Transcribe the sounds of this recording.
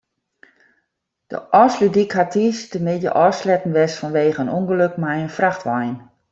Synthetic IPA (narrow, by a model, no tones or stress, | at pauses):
d̥ə̰ʔɔslydikɦatʰistəmɪdjə̰ʔɔːslɛtn̩ʋɛsfɔnʋeːɣəənuŋɡəløkmɛjənfraxtʋajn